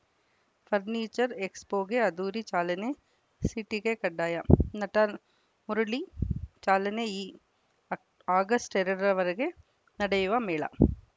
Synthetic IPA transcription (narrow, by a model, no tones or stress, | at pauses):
fʰɐɾniːt͡ʃɐɾekspoːɡeɐd̪uːɾit͡ʃaːlɐne | siʈiɡekɐɖːaːjɐnɐʈɐ | muɾuɭit͡ʃaːlɐneiː | aːɡɐsʈeɾɐɽɐɾɐʋɐɾeɡe | nɐɽɐjuʋɐmeːɭɐ̰